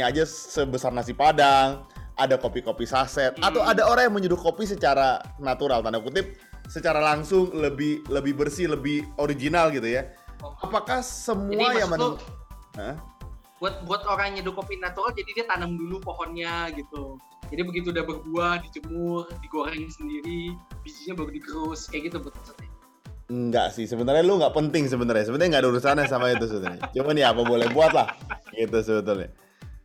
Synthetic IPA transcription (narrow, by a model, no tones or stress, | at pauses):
aːd͡ʒa | səbəsarnasipadaŋʔadakopikopisasɛt̪̚at̪awadaoɾaŋjaŋməɲudʊt̚kopis̬ət͡ʃaɾa | nat̪uɾalt̪anamkut̪ɪp̚ | sət͡ʃaɾalaŋsʊŋləbɪhləbɪhbərsiləbɪhoɾiɡinalɡit̪ujaapakahsəmuajaŋmənməʔəh | buat̪̚buat̪oɾaŋidʊpopinat̪uɾald͡ʒadidiat̪anəmdulupoɦɔnɲaɡit̪u | d͡ʒadibəɡit̪uːdahbərbuahdit͡ʃəmʊrdiɡoɾɛŋɲasəndiɾibid͡ʒiɲabaɾudiɡəɾʊskajaɡit̪ubuat̪̚əsət̪ | ŋɡa̰ʔsɪhsəbənt̪arɲaluŋɡaʔpənt̪ɪŋs̬əbənt̪arɲas̬əbənrɲaŋɡadauɾusanasamaɲit̪us̬əbət̪ʊɾɲa̰t͡ʃumanjaːpabolɛhbuat̪̚lahɡit̪us̬əbət̪ʊlɲa̰